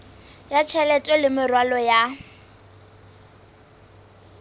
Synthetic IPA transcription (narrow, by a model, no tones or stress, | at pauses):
jat͡ʃʰɛlɛtʼwɛlɪmɪrwalɔja